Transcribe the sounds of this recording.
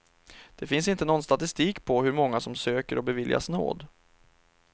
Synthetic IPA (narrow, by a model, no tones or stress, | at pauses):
d̪̥ɛfɪnsɪnt̪ənɔnst̪at̪ɪst̪iːkpʰɔɦɵɾmɔŋːasɔmsøːkəɾɔbɛvɪlja̰sno̰ːd̪